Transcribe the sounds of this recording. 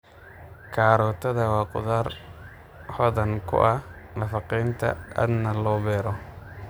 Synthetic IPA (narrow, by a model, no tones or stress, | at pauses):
kʰaːɾɔːt̪ʰɐðɐwɑːqʊ̰ðaːr | ħɔðɐŋkʰʊ̰ʔɐhnɐfɑqiːnt̪ʰɐ̰ɐ̰d̪nɐlɔːbɛːɾɔ